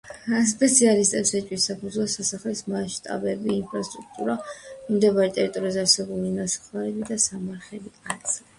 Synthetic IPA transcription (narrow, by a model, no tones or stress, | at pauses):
spʼɛt̪sʰialist̪ʼɛpsɛt͡ʃʼwisapʰud̪zvlˠɔsasaχlismaʃt̪ʼa̰bɛbiːnpʰɾast̪ʼɾuk̚ʰt̪ʼuɾamd̪ɛbaɾɛt̪ʼɛɾit̪ʼɔɾiazɛaɾsɛbulinasḁχlaɾɛbid̪asamaɾχɛbiat̪sʼa